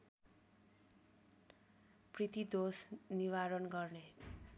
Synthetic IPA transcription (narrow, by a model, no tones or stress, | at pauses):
prit̪id̪osniwaɾʌnɡʌrne